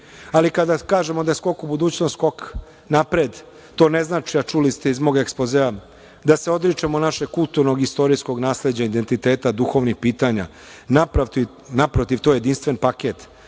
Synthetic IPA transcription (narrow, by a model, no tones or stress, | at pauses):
alikad̪akaːʒe̞mod̪ajesko̞kubud̪uːt͡ɕnosko̞k | napɾeːd̪ | t̪o̞ːne̞znaːt͡ʃiat͡ʃulist̪eizmo̞ːɡekspozea | d̪ase̞o̞d̪ɾit͡ʂemonaʃeɡkulˠt̪uɾno̞ɡist̪o̞ɾijsko̞ɡnaːsle̞d͡ʑaid̪e̞nt̪it̪e̞ːt̪ad̪uxo̞ʋnixpiːt̪aɲa̰ | napɾ | napɾo̞t̪iʋt̪ojed̪inst̪ʋe̞npake̞t̪